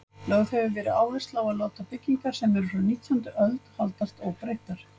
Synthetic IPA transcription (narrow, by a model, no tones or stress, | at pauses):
lœwðhɛvʏvɛːɾɪaːwvɛst̪lawaðloːwt̪apɪcːiŋkaɾ̥sɛmɛɾʏɾɔniːt̪ʰjɔnt̪ʏʔœlt̪n̥halt̪ast̪ɔɣpɾeːjht̪aɾ̥